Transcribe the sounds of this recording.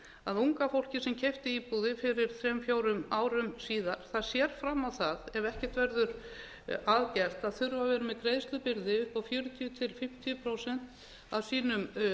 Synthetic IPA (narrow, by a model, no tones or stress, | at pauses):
aðuŋkafowl̥cɪsɛmcʰejft̪ɪiːpuːðɪfɪɾɪɾ̥θɾɛmfjoːwɾʏmaːwɾʏmsiːðaɾ̥θaðsjɛɾ̥fɾamːawθaðɛvɛhcɛ̥t̪vɛɾðʏɾ̥ | aðcɛr̥t̪aðθʏɾvavɛːɾɪmɛðkɾejst̪ʏpɪɾðɪʏhpawfjʏːɾʏt̪ʰiːt̪ʰɪlfɪm̥t̪ʰiʏpʰɾowsɛn̥t̪ | awsiːnʏm